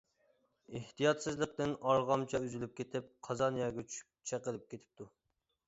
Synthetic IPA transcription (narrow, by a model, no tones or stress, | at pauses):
iht̪ijɑt̪sɨzlˠəq̚t̪ɪnɑɾʁɑmt͡ʃʰɑyzylyp̚kʲʰet̪ʰɪp̚qʰɑzɑnjɑɡʲɛt͡ʃʰyʃpt͡ʃʰɛqəlˠɪp̚kʲʰet̪ʰɪ̥p̚t̪ʰu